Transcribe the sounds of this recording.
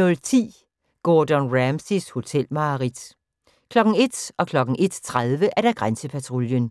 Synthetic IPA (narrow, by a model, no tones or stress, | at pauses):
ɔ̽lt͡sʰḭː | ɡ̥ɔːd̥ənʁæmsisho̝t͡sʰel̰mɑ̈ːʁid̥ | kʰlɒ̽ɡ̥n̩e̝d̥ɒ̽kʰlɒ̽ɡ̥n̩ʔe̝d̥t͡sʰʁaðˠʋəʔæɐd̥æɡ̥ʁansəpʰæt͡sʰʁoljən